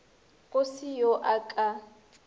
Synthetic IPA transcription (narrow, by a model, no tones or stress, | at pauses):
ɣʊsɪjoʔakʼa